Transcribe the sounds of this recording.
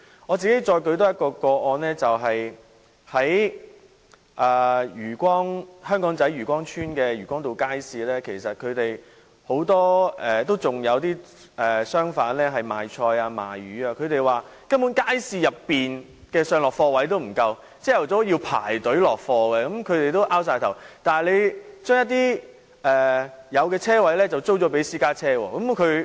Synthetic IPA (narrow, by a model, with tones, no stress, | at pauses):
ŋɔː˨˧t͡siː˨ke˨˥jt͡ʃɔː˧jkɵ˧ɥt̪ɔː˥jɐ˥t̚kɔː˧kɔː˧ɔː˧nlɛː˥t͡sɐ˨wɦɐ˨j | hɐ˨˥j | ʔaː˨jyː˨˩kʷɔː˥ŋhœː˥ŋkɔː˨˥ŋt͡sɐ˨˥jɥyː˨˩kʷɔː˥ŋt͡ʃʰyː˥nkɛː˧ɥyː˨˩kʷɔː˥ŋt̪o˨wkaː˥jsiː˨˧lɛː˥kʰe˨˩jsɐ˨t̚kʰɵ˨˧t̪e˨j | ho˨˥wt̪ɔː˥ʔɛː˨t̪o˥wt͡sʊ˨ŋjɐ˨˧wt̪iː˥ | ɛː˨sœː˥ŋfaː˨˥nlɛː˥ɦɐ˨jmaː˨jt͡ʃʰɔː˧jaː˧ma̰ː˨jyː˨˥aː˧kʰɵ˨˧ɥt̪e˨jwaː˨ | kɐ˥nmpu˨˥nkaː˥jsiː˧jɐ˨pːiː˨n | kɛː˧sœː˨ŋlɔː˨kfɔː˧wɐ˨˥jt̪̬o˥wm̩˨˩kɐ˧w | t͡sɛː˥jɐ˨˩wt͡sɔː˨˥jiː˧wpʰa̰ː˨˩jt̪ɵ˨˥ɥlɔː˨k̚fɔː˧kɛ˧kɐ˨˥mkʰɵ˨˧ɥt̪e˨jt̪o˥wʔaː˥wsaː˧jt̪ʰwt̪aː˨n˨le˨˧jt͡ʃœː˥ŋjɐ˥t̪̚iː˥ | ʔɛː˨jɐ˨˧wkɛː˧t͡sʰɛː˥wɐ˨˥jlɛː˥t͡sɐ˨wt͡so˥wt͡ʃɔː˨˥pe˨˥jsiː˥kaː˥t͡sʰɛː˥wɔ̰ː˧kɐ˨˦mkʰɵ˨˧ɥ